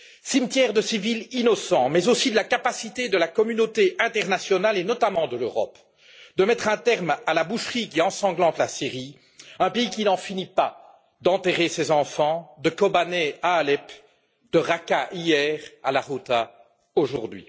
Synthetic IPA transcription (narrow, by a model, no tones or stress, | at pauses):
simt̪jɛʁd̪əsivilinɔsɑ̃mɛzosid̪əlakapasit̪ed̪əlakɔmynot̪eʔɛ̃t̪ɛʁnasjɔnalenɔt̪amɑ̃d̪əløʁɔ̰p | d̪əmɛt̪χɛ̃t̪ɛʁmalabuʃχik̬ʲiɑ̃sɑ̃ɡlɑ̃t̪lasiʁi | ɛ̃peikʲinɑ̃finipa | d̪ɑ̃t̪eʁesɛzɑ̃fɑ̃d̪əkɔbanɛaːlɛp | d̪əʁakaʔijɛːʁa̰laʁot̪a | oʒṵʁd̪ɥḭ